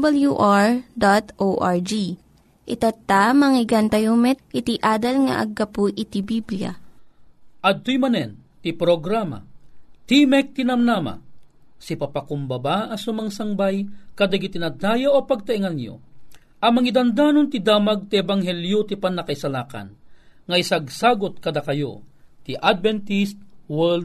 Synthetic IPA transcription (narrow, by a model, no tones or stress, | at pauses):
bɐljuʔaɹd̪at̪ʔoʔaɹd͡ʒi | ʔɪt̪at̪amɐŋɪɡɐnt̪ɐjumɛt̪̚kɪt̪iʔaːd̪ɐlŋɐ̰ʔɐ̰ɡːɐpuʔɪt̪ibiblja̰ | ʔɐd̪̚t̪ːojmɐnɛn | t̪ipɾoɡɾama̰t̪imɛk̚t̪inɐmnaːma̰ | sipapakʊmbɐbaɐsʊmaŋsaŋbajkɐd̪aɡit̪inɐd̪aːjaʔopaɡ̚t̪aiŋanjo̰ | ʔɐmɐŋid̪and̪aːnont̪id̪aːmaɡ̚t̪iɛbaŋɦɛljot̪ipanːɐkaisalaːka̰nŋɐisaɡsaːɡot̪̚kɐd̪akɐjo̰t̪iʔad̪̚vɛnt̪ist̪̚wɛld̪